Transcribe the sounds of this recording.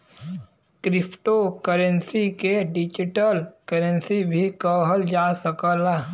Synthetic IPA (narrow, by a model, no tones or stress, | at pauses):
kɾɪpʰʈokəɾənsikeɖɪd͡ʒɪʈəlkəɾənsibʱikəɦəld͡ʒasəkəla